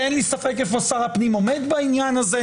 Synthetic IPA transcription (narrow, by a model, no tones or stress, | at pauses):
ɛnlisafekefosaʁapnimomed̪bainjanaze